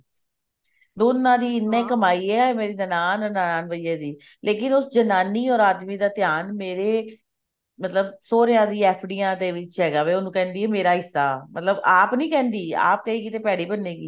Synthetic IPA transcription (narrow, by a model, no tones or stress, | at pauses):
d̪oːnːãːd̪iːɪnːẽːkəmaːiːɛːɛmeːɾiːd̪ənaːnənaːnaːnʋəeːd̪iː | lʔeːkɪnʊsd͡ʒənaːniːɔːɾaːd̪miːd̪aːt̪ɪjaːnmeːɾeː | mət̪ləbsoːɾjãːd̪iːɛːpʰɖiːãːd̪eːʋɪt͡ʃɦɛːɡaːʋeːonũːkɛ̃ːnd̪iːɦɛːmeːɾaːɦɪsːa̰ːmət̪ləbaːpnĩːkɛ̃ːnd̪iːa̰ːp̚kəiːkit̪eːpɛːɽiːbənːeːɡiː